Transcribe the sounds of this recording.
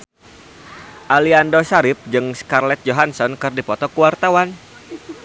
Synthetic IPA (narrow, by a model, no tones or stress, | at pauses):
ʔaliandosaɾɪp̚d͡ʒɨŋskarlɛt̪̚d͡ʒoɦansɔnkɨrdipɔt̪ɔkuwart̪awan